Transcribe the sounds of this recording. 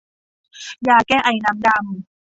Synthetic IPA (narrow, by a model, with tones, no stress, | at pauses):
jaː˧kɛː˥˩ʔa˨˩jna˧˥mda˧m